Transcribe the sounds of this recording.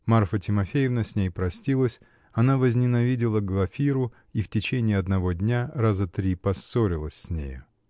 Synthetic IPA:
marfətʲɪmɐfʲejɪvnəsʲnʲejpɾɐsʲtʲilˠəsʲ | ɐnavəzʲnʲɪnɐvʲidʲɪlˠəɡlˠɐfʲiɾʊ | iftʲɪt͡ɕenʲɪːɐd̪nɐvodʲnʲaɾazət̪ɾʲipɐsːoɾʲɪlˠəsʲsʲnʲḛjʊ

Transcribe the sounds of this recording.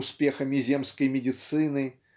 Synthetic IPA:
ʊspʲe̞xəmʲɪzʲe̞mskəjmʲɪdʲɪt̪sɨnɨ

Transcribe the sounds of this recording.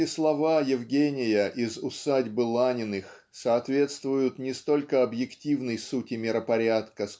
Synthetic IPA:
ɪslˠɐvajɪvɡʲenʲɪjəʔɪzʊsadʲbɨlˠanʲɪnɨx | sɐːt̪vʲe̞t̪st̪vʊjʊt̪nʲɪst̪o̞lʲkəɐbjɪktʲivnəjsutʲɪmʲɪɾəpɐɾʲat̪kəs

